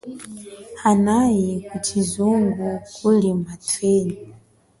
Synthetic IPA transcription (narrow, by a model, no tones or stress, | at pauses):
hanajikut͡ʃizuŋɡukʰulimatʰwɛɲi